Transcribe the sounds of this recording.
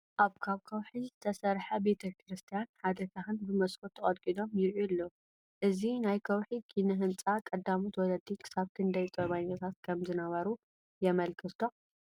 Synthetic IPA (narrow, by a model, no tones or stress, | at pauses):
ʔaβkʰaβkʰɐwħizɨt̪ʰɐsɐɾħɐbe̞t̪ʰɐkʰɨɾɨst̪ʰijanħad̪ɐt̪ʰaxɨnbɨmɐskʰot̪ʰːɐkʼɐd̪kʼilo̞mjɪɾʔulːo | ʔɨzinajkʰɐwħikʰinɐɦɨnt͡sʼakʼɐd̪ːamut̪wɔlɐd̪ikʰɨ̥saβt̪ʰɨnd̪ɐjt̪ʼɐβaɲːat̪ʰat̪kʰɐmzɨnɐβɐɾu | jɛmɐlkʰɨt̪ʰo